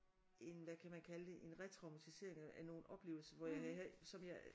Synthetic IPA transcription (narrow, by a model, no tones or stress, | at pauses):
ʔe̝nʋækʰæmænkʰæləd̥e̝ʔe̝nʁɛt͡sʰʁɑ̈ʊmæt͡sʰise̝ɐ̰eŋææno̝ːn̩ɒ̽b̥le̝ːʊl̩sɐʋɒjɑ̈ɪhæɦæsɒ̽mjɑ